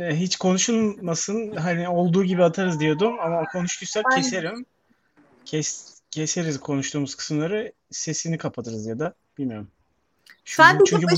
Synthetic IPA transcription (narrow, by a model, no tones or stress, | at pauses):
ɦit͡ʃkʰo̞nuʃulˠmasɯnɦanio̞lˠd̪uːɟibiat̪ʰaɾɯzd̪ijo̞d̪umamakʰo̞nuʃt̪ʰusakcʰeseɾim | cʰɛ | cʰese̞ɾizkʰo̞nuʃt̪ʰuːmuzkʰɯ̥smlˠaɾɯ | se̞sinikʰapʰat̪ʰɯɾɯzjad̪a | b̥ilʲmijoɾum | ʃuat͡ʃʰyɲcʰʲy